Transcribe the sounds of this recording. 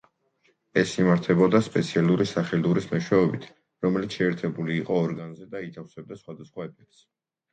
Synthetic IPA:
ɛsimaɾt̪ʰɛbɔd̪aspʼɛt̪sʰialˠuɾisaχɛluɾismɛʃwɛɔbit̪ʰ | ɾɔmɛlit̪sʰʃɛːɾt̪ʰɛbuliːqʼɔːɾɡanzɛd̪ait̪ʰafsɛb̚d̪asχwad̪asχwaɛpʰɛk̚t̪s

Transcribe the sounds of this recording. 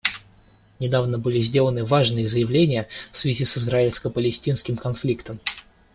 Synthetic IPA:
nʲɪd̪avnəbɨlʲɪzʲdʲe̞lˠənɨvaʐnɨjəzəjɪvlʲenʲɪjəfsvʲɪzʲisɨzɾaɪlʲskəpəlʲɪsʲtʲinskʲɪmkɐnflʲikt̪əm

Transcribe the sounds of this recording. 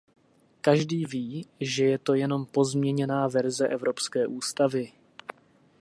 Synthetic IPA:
kaʒdiːviːʒɛjɛt̪o̞jɛno̞mpo̞zmɲɛɲɛnaːvɛɾzɛʔɛvɾo̞pskɛːʔuːst̪avɪ

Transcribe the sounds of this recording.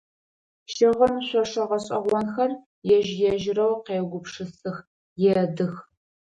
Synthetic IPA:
ʃɪʁɐmɕʷɔʂɐʁɐɕʼɐʁʷɔnxɐr | jɛʒjɛʒɪrɐwqeːɡʷʊpʂɨsɨx | jɛdɨx

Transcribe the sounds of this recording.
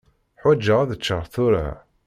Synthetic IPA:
ħwæd͡ʒːəʁaðət͡ʃːəʁθʊɾa̰

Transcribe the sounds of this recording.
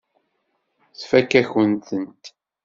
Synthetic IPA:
θfækːæçənt̪ənt̪

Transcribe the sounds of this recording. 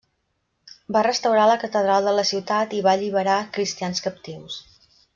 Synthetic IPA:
barəst̪əwɾaləkət̪əðɾalˠd̪ələsiwt̪at̪iβaʎiβ̞əɾakɾist̪ianskəp̚t̪iws

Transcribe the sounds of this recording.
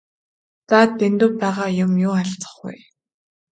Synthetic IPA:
t͡saːt̪ːent̪ʊ̆ːpæːʁaːjʊmjʊːaɮt͡sə̥̆χɡṵj

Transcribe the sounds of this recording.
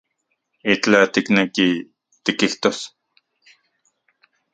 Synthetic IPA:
it͡ɬat̪ikneki | t̪ikiht̪os

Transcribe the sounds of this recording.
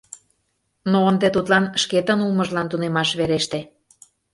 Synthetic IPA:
noənd̪et̪ut̪lɑnʃket̪ənulməʒlɑnt̪unemɑʃβeɾeʃt̪e

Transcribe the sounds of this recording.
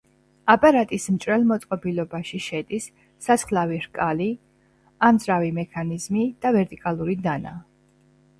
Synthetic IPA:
apʼaɾat̪ʼismt͡ʃʼɾɛlˠmɔt̪sʼqʼɔbilɔbaʃiʃɛd̪isː | asχlaviɾkʼali | amzɾavimɛkʰanizmid̪̥avɛɾt̪ʼikʼalˠuɾid̪ana

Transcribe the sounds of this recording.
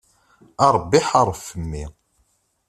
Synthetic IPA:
ɑɾˤbːiħɑɾˤfəmːi

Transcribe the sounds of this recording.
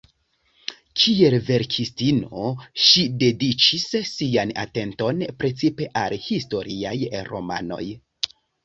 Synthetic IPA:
kʰie̞lve̞ɾkʰistino̞ʃide̞dit͡ʃisːiana̰te̞nto̞npɾe̞t͡sipe̞ʔalhisto̞ɾiajɾo̞̰ma̰no̞̰j

